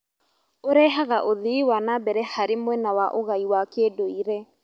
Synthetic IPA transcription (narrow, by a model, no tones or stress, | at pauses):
oɾɛɦaɣaʔoðiiwanabɛɾɛhaɾemwɛnawaʔoɣaiwakedoiɾɛ